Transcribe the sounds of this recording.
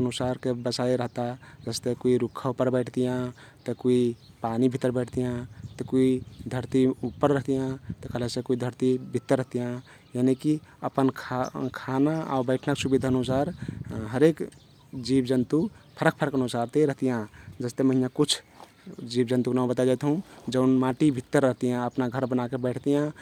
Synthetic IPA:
ənusaɾkebəsaiɾəɦt̪ad͡ʒəst̪ekuiɾukʰːaupəɾbəɪʈʰt̪ijã | t̪əkuipanibʱit̪ːəɾbəɪʈʰt̪ijãt̪ɔkuid̪ʱəɾt̪iupːəɾːəɦt̪ijãt̪ɔkəlesẽkuid̪ʱəɾt̪ibʱit̪ːəɾːəɦt̪ijã | janiki | əpənkʰkʰanaa̰bəɪʈʰnaksubid̪ʱaənusaɾɦəɾek | d͡ʒibd͡ʒənt̪upʰəɾək̚pʰəɾəkənusaɾt̪eɾəɦt̪ijãd͡ʒəst̪eməɦijãkut͡ʃʰ | d͡ʒibd͡ʒənt̪uknaũbət̪ad͡ʒat̪ɦũd͡ʒəʊnmãʈibʱit̪ːəɾːəɦt̪ijãəpnaɡʱəɾbənakebəʈʰt̪ijã

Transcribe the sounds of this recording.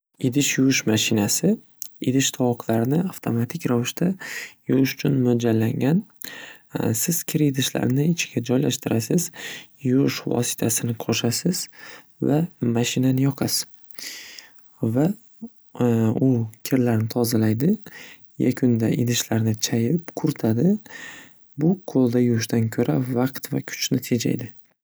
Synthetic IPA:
ɪd̪ɪʃjʊwʊʃmaʃɪnasɪ | ɪd̪ɪʃt̪ʰɒqʰlaɾɪnɪaft̪ʰomat̪ʰɪkʲɾavɪʃt̪ʰajʊwɪʃʊ̥t͡ʃʰʊnmʊd͡ʒalːaŋɡʲan | sɪz̥kʲʰɪɾɪd̪ɪʃla̰ɾnɪɪt͡ʃʰɪ̥ɡʲad͡ʒɒjlaʃt̪ɪɾasɪz̥jʊʊʃvɒ̰sɪ̥t̪ʰasɪnɪqʰɒʃasɪz̥ | vamaʃɪnanɪjɒqʰas | va | ʊkʲʰɪɾlaɾnɪt̪ʰɒzalajd̪ɪ | ja̰kʲʰʊnd̪aʔɪ̰d̪ɪʃlaɾnɪt͡ʃʰajɪpkʰʊɾt̪ʰad̪ɪ | bʊqʰolˠd̪ajʊɪʃt̪ankʲʰɵɾʔavɑqt̪va̰kʲʰʊ̥t͡ʃʰnɪt̪ʰe̞d͡ʒa̰jd̪ɪ

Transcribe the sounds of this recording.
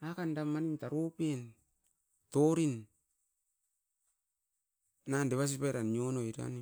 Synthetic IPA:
akandamːanintaɾopen | toɾin | andeβas̬ipajɾanionoiɾa̰ni

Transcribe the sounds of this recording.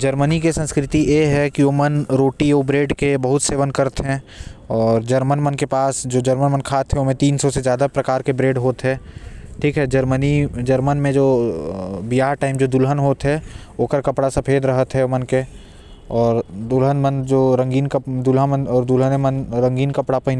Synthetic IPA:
d͡ʒɐɾmənikesə̃nskɾɪt̪ijeɦɛkioːmənɾoːʈioːbɾeːɖkebɐɦʊt̪seːʋənkɐɾt̪ɦɛ̃ | ɔːɾd͡ʒɐɾmənmənkepaːsd͡ʒoːd͡ʒɐɾmənmənkʰaːt̪ɦɛomẽt̪iːnsɔsezjaːd̪apɾɐkaːɾkebɾeːɖɦoːt̪ɦɛ̃ːʈʰiːkɦɛd͡ʒəɾmənid͡ʒɐɾmənmẽd͡ʒoː | bijaːɾʈaːɪmd͡ʒoːd̪ʊlɦənɦoːt̪ɦɛ | oːkəɾkɐpɽasɐpʰeːd̪ɾɐɦət̪ɦɛomənke | ɔːɾd̪ʊlɦənmənd͡ʒoːɾə̃ŋɡiːnkəd̪ʊlɦəmənɔːɾd̪ʊlɦənemənɾə̃ŋɡiːnkɐpɽapɐɦɪn

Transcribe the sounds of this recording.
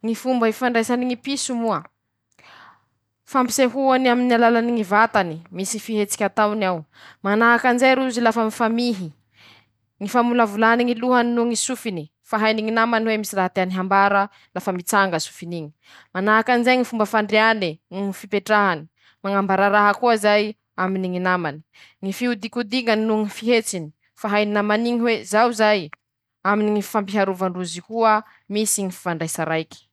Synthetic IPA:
ŋifumbəifaɳɖ͡ʐejsaniŋipisumuə | fampi̥seɦuanaminialalaniŋivat̪animisiifiɦet͡si̥kʲat̪awnawmanaɦakanzajɾuzilafəmifamiɦi | ŋifamuləvulaniŋiluɦaninuŋisufini | faɦajniŋinamaniwemisiraɦat̪eaniɦambaɾə | lafamit͡saŋɡəsu̥finiŋi̥ | manaakanizajŋifumbəfaɳɖ͡ʐeaninuŋifipeʈ͡ʂaɦani̥ | maŋambaɾaɾaɦəkuəzaj | aminiŋinamani̥ | ŋifiud̪ikud̪iŋaninuŋifiɦet͡sini̥ | faɦajninamaniŋiɦwezawzaj | aminiŋi̥fampiɦaɾuvaɳɖ͡ʐuzikuə | misiŋifi̥faɳɖ͡ʐajsaɾajki̥

